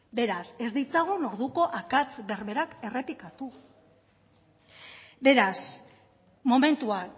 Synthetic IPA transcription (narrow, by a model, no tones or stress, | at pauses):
be̞ɾase̞zd̪it͡saɣ̞uno̞ɾðuko̞ʔakat͡sβe̞rβe̞ɾake̞re̞pikat̪u | be̞ɾas | mo̞me̞nt̪ua